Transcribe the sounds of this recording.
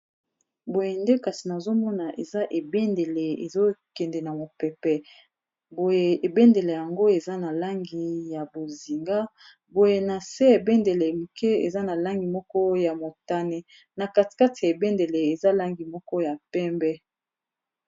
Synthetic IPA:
bo˨je˨nde˦ka˨si˨na˨zo˦mɔ˦na˨ʔe˨za˦ʔe˨be˦nde˨le˨ḛ˨zo˦kɛ˨ndɛ˨na˨mo˨pɛ˨pɛ˨ | bo˨je˨e˨be˦nde˨le˨ja˨ŋɡo˦e˨za˦na˨la˦ŋɡi˨ja˨bo˨zi˨ŋɡa˦ | bo˨je˨na˨se˦e˨be˦nde˨le˨mu˨kʰɛ˦ḛ˨za˦na˨la˦ŋɡi˨mɔ˦kɔ˦ja˨mo˨ta˦ne˦ | na˨ka˦ti̥˨ka˦ti˨a˨e˨be˦nde˨le˨e˨za˦la˦ŋɡi˨mɔ˦kɔ˦ja˨pɛ˦mbɛ˦

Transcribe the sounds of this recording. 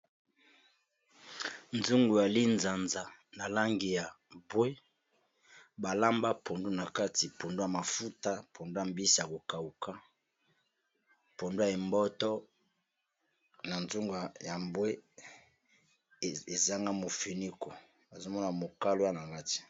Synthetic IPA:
nzu˦ŋɡo˨ja˨li˦nza˨nza˨na˨la˦ŋɡi˨ja˨ | bwe˦ | ba˨la˦mba˦pʰo˨ndo˦na˨ka˦ti˨pʰo˨ndo˦ja˨ma˨fu˦ta˦pʰo˨ndo˦ja˨mbi˦si˨ja˨ko˨ka˨u˨ka˦ | po˨ndo˦a˨e˨mbɔ˦tɔ˦ | na˨nzu˦ŋɡa˨ja˨bwe˦ | e˨za˦ŋɡa˦mo˨fi˨ni˦ko˨ | a˨zo˦mɔ˦na˨mo˨ka˦lo˦ja˦na˨ka˦ti̥˨

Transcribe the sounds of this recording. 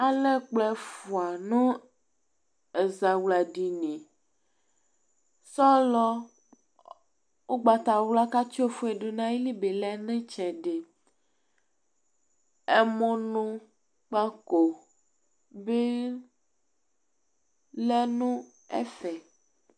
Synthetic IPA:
a˨le˦k͡plɛ˦fu˨a˨nũ˦ | e˨za˨wla˨ɖi˨nẽ˨ | sɔ˦lɔ˦ | wo˦ɡ͡ba˨t̪a˨wla˦ka˦t͡ʃi˦o˦fu˦e˨ɖo˨nã˦ji˦li˦be˨lɛ˦nẽ˦t͡ʃɛ˨ɖe˨ | e˦mõ˦nũ˦ | k͡pa˦ko˨ | be˦ | lɛ˦nũ˦ | ḛ˦fɛ˨

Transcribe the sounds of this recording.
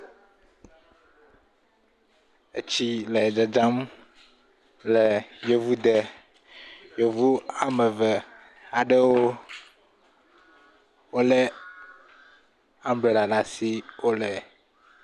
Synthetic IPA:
e˦t͡ɕi˦lɛ˨d͡ʒɛ˨d͡ʒa˦m | lɛ˨jo˨vu˦d̪ɛ˨ | jo˨vu˦a˦me˨vɛ˨ | a˨ɖe˦wo˦ | wo˦lɛ˦ | a˦mblɛ˨la˨ɖa˨si˦wo˦lɛ˨

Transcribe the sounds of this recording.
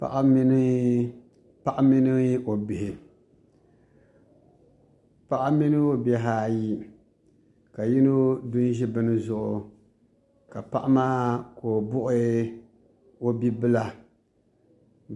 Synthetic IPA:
pa̰˨ʔa˦mi˦n˦ | pa˦ʔa˦mi˦nɨ˦o˨bɪ˨hɪ˨ | pa˦ʔa˦mi˦nɨ˦o˦bɛ˨ɦaː˦˨ji˦ | ka˨ji˦no˦dʊ˦n˦ʒi˦bɨ˦nɨ˦zʊ˨ʔʊ˨ | ka˨pa˦ʔa˦maː˦koː˨bʊ˦ʔʊ˦ | o˦bi˦bɨ˦la˦

